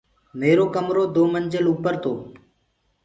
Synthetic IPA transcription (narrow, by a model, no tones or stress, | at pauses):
meːɾoːkəmɾoːd̪oːmənd͡ʒəlupəɾt̪oː